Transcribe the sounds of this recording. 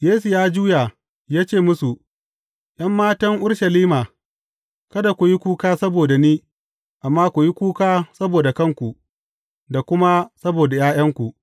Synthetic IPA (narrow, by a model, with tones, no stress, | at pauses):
jeː˦su˨jaː˦d͡ʒuː˦ja˨ | jaː˦t͡ʃeː˦˨mʊ˦su˨ | jʔɐ˦mːaː˦tɐ˦ŋʔʊ˦ɽʃɐ˨liː˦maː˨ | kɐ˦da˨kʷu˨ji˦kʷuː˦kaː˦sɐ˦boː˨da˨niː˦ | ʔa˨mːaː˦kʷu˨ji˦kʷuː˦kaː˦sɐ˦boː˨da˨kɐ˦ŋkʷu˨ʔ | da˨kʷʊ˦ma˦sɐ˦boː˨da˨jaː˦j̰ɐ˦ŋkʷu˨ʔ